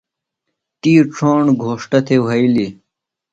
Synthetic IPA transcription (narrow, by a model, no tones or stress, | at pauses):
t̪iːʈ͡ʂʰoːɳɡʱoːʂʈɐt̪ʰewɐjli